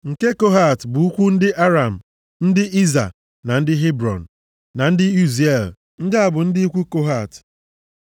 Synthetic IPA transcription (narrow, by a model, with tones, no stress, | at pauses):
ŋ̩˨ke˦ko˦ɦa˨tbʊ˨˦u˦kʷu˦n̩˦dɪ˦ʔa˦ɾa˨m̩˨ | n̩˦dɪ˦ʔi˦za̰˨ | na˨n̩˦dɪ˦ɦe˦bɾɔ̰˨n̩˨ | na˨n̩˦dɪ˦i˦ze˨l | n̩˦dɪ˦a˦˨bʊ˨n̩˦dɪ˦i˦kʷu˦ko˦ɦa˨t